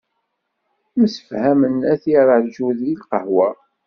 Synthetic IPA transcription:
məsə̥fhæmənæθiɾˤəʕðʒuðilqəhwɑ

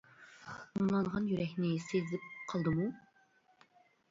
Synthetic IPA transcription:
uŋlˠɑɴʁɑnjyɾɛkʲnɪsezlɪp̚qʰɑlˠd̪ɨmu

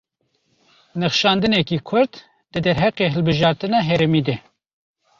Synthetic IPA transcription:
nɨχʃɑːnd̪ɨnɛkiːkʰʊɾt̪ | d̪ɨd̪ɛɾɦæqeːɦɨlbɨʒɑːɾt̪ɨnɑɦɛɾɛmiːd̪ɛ

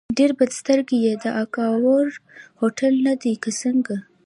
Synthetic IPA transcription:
ɖeɾbad̪st̪əɾɡejed̪əʔakɑwaɾhoʈʰalnad̪ikəsəŋɡa

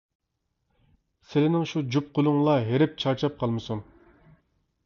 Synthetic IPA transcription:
sɪlɪnɪŋʃud͡ʒup̚qʰʊlˠʊŋlˠɑɦeɾɪp̚t͡ʃʰɑɾt͡ʃʰɑp̚qʰɑlˠmɨsuŋ

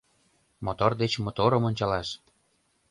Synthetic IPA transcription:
mot̪ord̪et͡ɕmot̪oɾɤ̆monʲt͡ɕɑlɑʃ

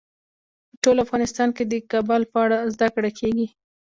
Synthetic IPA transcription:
pəʈolafɣɑnɪst̪ɑnked̪əkabɑlpəaɽazd̪akɽakʰeɡi

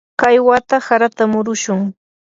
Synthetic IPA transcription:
kajwat̪asaɾat̪amʊɾʊʃʊŋ

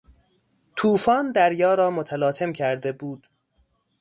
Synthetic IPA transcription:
t̪ʰuːfɒːnd̪æɾjɒːɾɒːmot̪ʰælɒːt̪ʰe̞mcʰæɾd̪e̞buːd̪̥

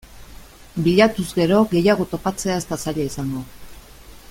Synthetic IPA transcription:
biʎat̪uzɡe̞ɾo̞ɣe̞jaɣ̞o̞t̪o̞pat͡se̞aest̪asaʎaisaŋɡo̞

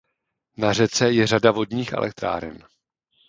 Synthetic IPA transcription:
nar̝ɛt͡sɛjɛradavo̞dɲiːxʔɛ̰lʔɛ̰k̚t̪ɾa̰ːɾɛ̰n

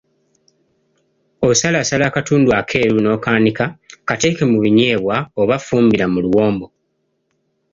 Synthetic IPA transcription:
o̞salaːsalakatuːnduakʰe̞ːɾuno̞ːkaːnikakate̞ːke̞muβiɲeːβwaoβafuːmbiɾamuluwo̞ːmbo̞

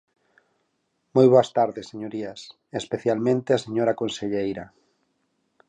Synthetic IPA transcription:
mojβoɐst̪aɾðeseɲoɾias | espeθjalmẽnt̪easeɲoɾakõnseʎejɾɐ

